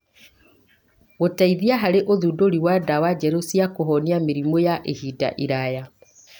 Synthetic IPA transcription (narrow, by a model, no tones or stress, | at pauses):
ɣotaiðiaɦaɾeʔoðudoɾiwadawad͡ʒɛɾosiakɔɦɔniameɾimɔjaʔehida̰ʔiɾaja